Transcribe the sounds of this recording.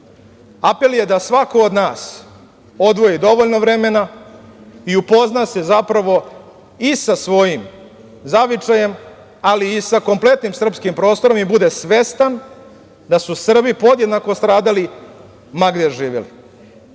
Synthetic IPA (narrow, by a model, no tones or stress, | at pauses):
ape̞lje̞d̪asʋako̞od̪naːs | o̞d̪ʋo̞jid̪o̞ʋoʎnoʋɾe̞me̞na | iupo̞znasezapɾaʋo̞ | isasʋo̞jim | zaʋit͡ʂaje̞m | aliːsako̞mple̞t̪nimsr̩pskimpɾo̞ːst̪o̞ɾo̞mibud̪esʋe̞st̪an | d̪asusr̩bipo̞d̪jed̪nako̞st̪ɾaːd̪ali | maɡd̪eʒiːʋḛlḭ